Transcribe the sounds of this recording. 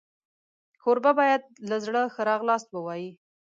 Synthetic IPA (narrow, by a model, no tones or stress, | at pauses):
kʰoɾbabɑjad̪̚lazɽəxəɾɑɣlɑst̪̚bəwɑji